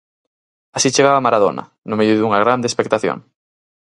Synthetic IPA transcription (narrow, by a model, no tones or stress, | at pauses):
asit͡ʃeɣaβamaɾaðo̰nɐ̰ | nʊmejʊðuŋɐɣɾand̪eːspek̚t̪aθjo̰ŋ